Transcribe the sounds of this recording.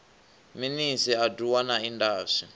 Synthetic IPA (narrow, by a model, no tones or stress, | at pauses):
minisiaduwanaindaːʂi